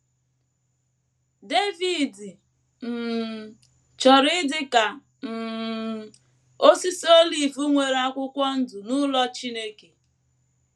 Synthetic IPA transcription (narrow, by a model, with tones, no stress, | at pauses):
de˦vi˨di˨ | m̩˨ | t͡ʃɔ˨ɾɪ˦dɪ˦ka˨ | m̩˨ | o˦si˦so˦li˨vu˦ŋʷe˨ɾa˦kʷʊ˦kʷɔ˦n̩˦dʊ˨nʊ˦lɔ˦t͡ʃi˦ne˦ke˨